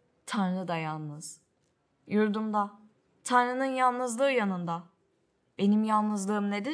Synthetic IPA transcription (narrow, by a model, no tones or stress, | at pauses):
t̪ʰanɾɯd̪ajanˠnɯz̥ | juɾd̪umd̪a | t̪ʰanɾɯnɯnjalˠnɯzlˠɯːjanɯnd̪a | be̞nimjalˠnɯzlˠɯːɯmned̪i